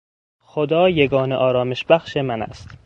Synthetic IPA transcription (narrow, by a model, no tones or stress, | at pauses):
xod̪ɒːjeɡɒːneʔɒːɾɒːme̞ʃbæxʃemænæ̰st̪